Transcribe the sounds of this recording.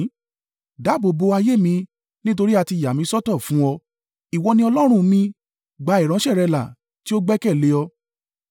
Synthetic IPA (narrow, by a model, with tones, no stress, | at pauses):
da˨˦bo˨bo˧a˧je˦˨mĩ˧ | nĩ˦t̬o˧ɾi˦a˧ti˧˨ja˨mĩ˧˦sɔ˦tɔ˦˨fũ˦ɔ˧ | i˨wɔ˧nĩ˧˦ɔ˧lɔ˦ɾ̃ũ˦˧mĩ˧ | ɡ͡ba˧˦i˨ɾ̃ã˨˦ʃɛ˦˨ɾɛ˧la̰˨ | ti˦o˦ɡ͡bɛ˦kɛ˦˨le˨˦ɔ˧